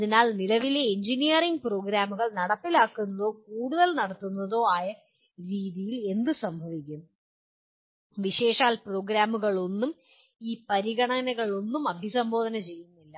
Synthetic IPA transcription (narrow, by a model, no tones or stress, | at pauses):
ɐðinaːlnilɐʋileːɲd͡ʑinijɐriŋɡpro̞ːɡɾaːmuɣɐɭnɐɽɐp̪ːilaːkːunːɐðo̞ːkuːɽuðɐlnɐɽɐt̪ːunːɐðo̞ːaːjɐ | ɾiːðijile̞nd̪ɨsɐmbʱɐʋikʲːumː | ʋiɕe̞ːʂaːlpro̞ːɡɾaːmuɣɐɭo̞nːum | iːpɐɾiɣɐɳɐnɐɣɐɭo̞nːumɐbʱisɐmbʱo̞ːd̪ʱɐnɐt͡ɕe̞jːunːilːɐ